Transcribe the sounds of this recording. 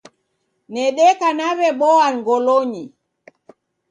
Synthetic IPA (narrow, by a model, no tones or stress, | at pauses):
nɛɗɛkanavɛɓɔaŋɡɔloɲi